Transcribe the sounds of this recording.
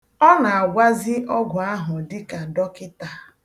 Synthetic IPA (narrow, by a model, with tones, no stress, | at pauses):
ɔ˦na˨a˨ɡʷa˦zɪ˦ʔɔ˦ɡʷʊ˨a˦ɦʊ˨dɪ˦ka˨dɔ˦kɪ˦ta˨